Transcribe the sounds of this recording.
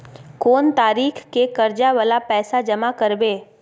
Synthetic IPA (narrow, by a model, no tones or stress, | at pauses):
koːnt̪aːɾiːkʰkekɐɾd͡ʒaʋalapɛːsad͡ʒɐmakəɾbeː